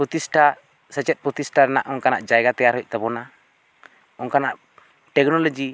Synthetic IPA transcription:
pɾɔt̪isʈa | sət͡ʃɛt̪̚pɾɔt̪isʈaɾnaʔɔŋkana̰ʔd͡ʒajɡat̪ɛjaɾɦɔjc̚ˀt̪ɛbɔna | ɔnkanaʔ | ʈɛk̚nɔlɔd͡ʒi

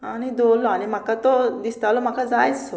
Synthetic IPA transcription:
añid̪olːɔañimakat̪ɔd̪ist̪alɔm̤akad͡zajso

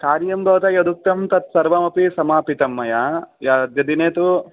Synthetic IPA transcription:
kaːɾjɐmɡɐːt̪ɐjɐd̪uk̚t̪ɐmt̪ɐt̪̚sɐɾʋɐmɐpisɐmaːpit̪ɐmːɐjajaːd̪jɐd̪ineːt̪u

